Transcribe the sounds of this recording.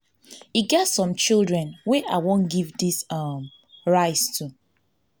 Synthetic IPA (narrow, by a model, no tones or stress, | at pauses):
iɡɛtsɔ̃mt͡ʃilˠdɹɛ̃nwɛʔa̰ɪwõnɡivdisʌm | ɹaɪtstʰu